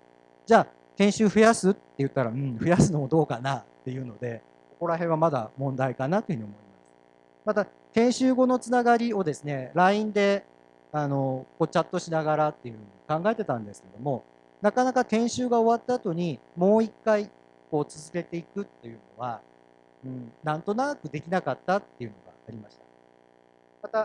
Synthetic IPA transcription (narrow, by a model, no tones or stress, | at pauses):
d͡ʑaː | k̪ẽ̞ɰ̃ɕɨːɸɯ̟jasɨt̪ːe̞jɯ̟t̪ːaɾaɯ̟̃ɴɸɯ̟jasɨno̞mod̪o̞ːkanat̪ːe̞jɯ̟ːno̞d̪e̞ | ko̞ko̞ɾaɦẽ̞ɰ̃βamad̪a̰mõ̞nd̪aikanat̪ːohɯ̟ɲ̟iomo̞imasɨ̥ | mat̪a | k̪ẽ̞ɰ̃ɕɨːɡo̞no̞t͡sɨnaɡaɾʲio̞d̪e̞sɨne̞ɾaĩnd̪e̞ | ano̞ko̞ːt͡ɕat̪ːo̞ɕinaɡaɾat̪ːe̞jɯ̟hɯ̟ɲ̟iikãŋɡae̞t̪e̞t̪ãnd̪e̞sɨ̥ke̞d̪o̞mo̞ | nakanakat̪ẽ̞ɰ̃ɕɨːɡao̞βat̪ːaːt̪o̞ɲ̟imo̞ːikːai | ko̞ːt͡sɨzɨɾe̞t̪e̞ikɯ̟t̪ːe̞jɯ̟no̞̰β̞a | ɯ̟̃ːɴnãnt̪o̞nakɯ̟d̪e̞kʲinakat̪ːat̪ːe̞jɯ̟no̞̰ɡa̰ːɾʲimaɕi̥t̪ḁ | mat̪a